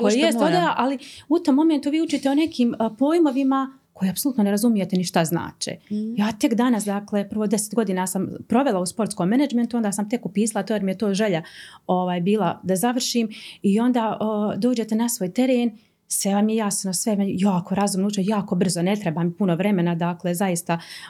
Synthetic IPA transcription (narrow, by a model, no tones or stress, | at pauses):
koejesod̪ajaʔaliut̪o̞mːo̞me̞nt̪uʋiːut͡ʃiːt̪eone̞kʰiːmpo̞ːjmo̞ʋima | ko̞jeapsolut̪noneɾazumije̞t̪eniʃt̪azna̰ːt͡ʃḛjaːt̪e̞kd̪anasd̪aklepərʋod̪e̞set̪ɡo̞d̪iːnaːsampɾo̞ʋe̞lˠauspo̞ɾt̪sko̞mːenad͡ʒme̞nt̪uo̞nd̪aːsamt̪e̞kupiːsalˠat̪ojeɾmijet̪oːʒeʎao̞ʋaːjbiːlˠad̪azaʋr̩ʃiːmio̞nd̪aːʔəd̪o̞ːd͡ʑe̞t̪enasʋoːjt̪e̞ɾeːn | seamjejasnosʋemjaːkʰoɾazumnout͡ʃejaːko̞br̩zonet̪ɾebaːmipunoʋɾe̞me̞nad̪aklezajist̪a